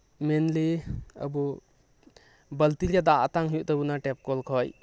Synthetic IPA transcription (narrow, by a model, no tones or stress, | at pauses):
mɛnlea̰bɔ | bəlt̪ilijad̪aʔat̪aŋɦijuʔt̪əbunaʈɛp̚kɔlkʰɔj